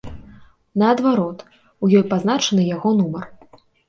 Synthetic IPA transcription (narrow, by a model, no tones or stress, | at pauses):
nɐːd̪vaɾɔt̪ | ujɔjpazn̪at͡ʂɐnɨjaɣɔnumɐr